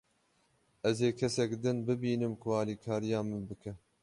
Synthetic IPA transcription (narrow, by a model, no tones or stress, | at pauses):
ɛzeːkʰɛsɛkd̪ɨnbɨbiːnɨmkʰʊɑːliːkʰɑːɾijɑːmɨbɨkʰɛ